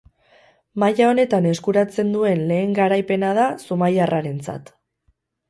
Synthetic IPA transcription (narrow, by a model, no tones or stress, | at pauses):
majao̞ne̞t̪ane̞skuɾat͡se̞nd̪ue̞nle̞ːŋɡaɾajpe̞nað̞asumajarʔaɾe̞nt͡sa̰t̪